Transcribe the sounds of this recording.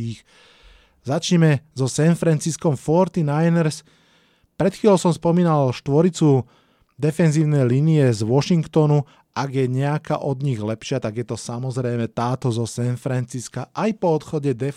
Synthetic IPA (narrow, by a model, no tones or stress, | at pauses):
iːx | zat͡ʃɲɛmɛzɔsɛnfɾant͡siskɔmfɔɾt̪inajnɛɾs | pɾɛt̪xiːlɔʊsɔmspɔmiːnalʃt̪ʋɔɾit͡su | d̪ɛfɛnziːʊnɛjliːniɛzʋɔʃiŋkt̪ɔnu | ʔaɡjɛɲɛaka̰ʔɔd̪ɲiɣlɛpʃɪat̪aɡjɛt̪ɔsamɔzɾɛjmɛt̪aːt̪ɔzɔsɛnfɾant͡siskaʔajpɔɔt̪xɔɟɛd̪ɛ